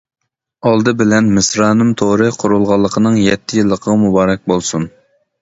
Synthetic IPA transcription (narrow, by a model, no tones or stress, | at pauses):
ɑlˠd̪ɨbɪlɛnmɪsɾɑːnɨmt̪ʰoɾɨqʰʊɾulˠʁɑlˠːəqʰənɨŋjɛt̪ʰːɪjilˠːəqʰəʁɑmubɑːɾɛk̚ʲbolˠsun